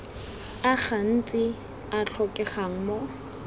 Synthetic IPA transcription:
aχan̩t͡sʼɪ | at͡ɬʰɔkʼɛχaŋ̩mɔ

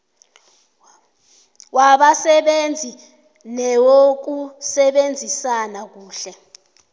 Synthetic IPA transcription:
waɓasɛɓend͡zʱi | nɛwok̬usɛɓend͡zʱisanak̬uːɬɛ

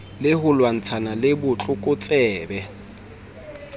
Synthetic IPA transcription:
lɪhʊlwan̩t͡sʰanalɪbʊt͡ɬʼʊkʼʊt͡sʼɛːbɛ

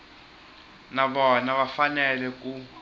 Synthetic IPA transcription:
naɓɔnaβafanɛlɛku

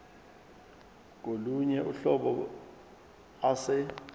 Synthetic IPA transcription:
k̬oluɲɛʔuɬɔɓɔ | asɛ

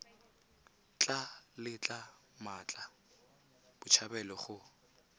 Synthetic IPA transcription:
t͡ɬʼalɪt͡ɬʼamat͡ɬʼa | b̥ʊt͡ʃʰabɛlɔχʊ

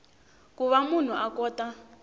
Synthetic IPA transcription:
kuβamun̤uʔakɔːta

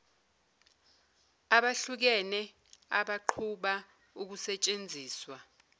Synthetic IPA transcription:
aɓaɬuk̬ɛnɛ | a̰ɓaǃʰuɓa | uk̬usɛt͡ʃʼend͡zʱiːswa

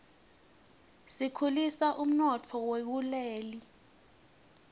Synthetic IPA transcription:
sikʰulisaʔum̩nɔt͡fʰɔwek̬ulɛːli

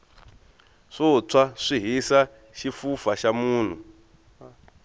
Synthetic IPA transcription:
ʂot͡sʰwaʂiɦisa | ʃifufaʃamuːn̤u

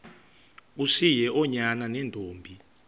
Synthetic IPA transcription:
usijɛʔɔɲananɛndʱoːmbʱi

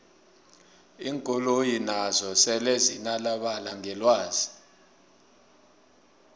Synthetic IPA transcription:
iːŋkʼɔlojinazɔsɛlezinalaɓalaŋʱɛlwaːzi

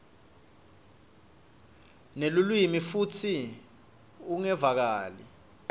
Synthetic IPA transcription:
nelulwimifutʰi | uŋɛvak̬aːli

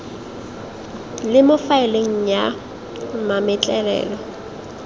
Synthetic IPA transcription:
lɪmʊfaɪleŋ̩ja | mamɪt͡ɬʼɛlɛ̰ːlɔ

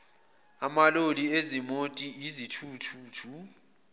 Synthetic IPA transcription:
amaloliezimotʼiizitʰuːtʰuːtʰu

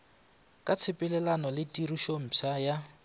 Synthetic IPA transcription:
kʼat͡sʰɪpʼɪlɛlanɔlɪtʼiriʃom̩t͡sʰaja

